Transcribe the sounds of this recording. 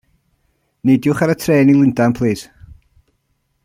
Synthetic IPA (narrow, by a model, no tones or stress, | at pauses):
nedjʊχaɾətʰreːnilˠɪndanpʰlˠiːs